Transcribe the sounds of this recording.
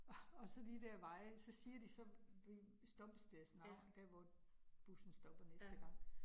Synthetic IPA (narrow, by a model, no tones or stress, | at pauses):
ɒ̽sɒ̽d̥id̥ɛɐʋɑ̈ɪ̰sɒ̽siːɐd̥isɒ̽ʋi | sd̥ɒ̽b̥əsd̥eɐsnɑ̈d̥æɐ̰ʋɒ | b̥usn̩sd̥ɒ̽b̥ɐnesd̥əɡ̥ɑ̈ŋ̰